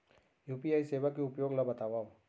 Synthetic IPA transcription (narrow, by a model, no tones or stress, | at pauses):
juːpiaːiseːʋakːeʊpjoːɡlɐbɐt̪aːʋaũ